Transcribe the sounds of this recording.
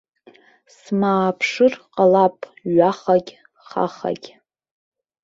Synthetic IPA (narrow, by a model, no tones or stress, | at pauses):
smaːpʰʂɨrqʼalapʼɥaχaɡʲ | χa̰χa̰ɡʲ